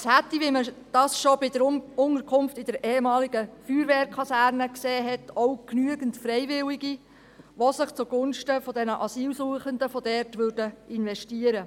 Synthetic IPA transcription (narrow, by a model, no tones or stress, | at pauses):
shætːiʋiməd̥ɑːsʃobɪd̥əɾʊnəɾkʰʊmftɪd̥ɛɾʔeːemɑːliɡəfyːɾʋeːɾkʰχɑsæːɾnəkseːɦɛtʰɔwknyəɡəntfɾɛjʋɪliɡi | ʋosɪχt͡suɡ̥ʊnʃtəfɔdɛnəʔɑsiːlsuəχəndəfɔdɛrtʋʏɾd̥əɪnʋɛʃtiəɾə